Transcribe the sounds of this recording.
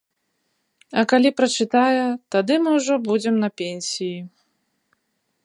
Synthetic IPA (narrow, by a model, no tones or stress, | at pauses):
ɐkalʲipɾɐt͡ʂɨt̪ajɛt̪ad̪ɨmɨwʐɔbud͡zʲɛmnɐpʲɛnʲsʲiji